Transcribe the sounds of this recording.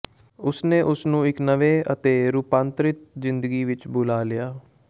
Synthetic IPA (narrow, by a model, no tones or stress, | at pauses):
ʊsnẽːʔʊsnũːɪknəʋeːət̪eːɾuːpãːnt̪ɾɪt̪zɪnd̪əɡiːʋɪt͡ʃbʊlaːlɪjaː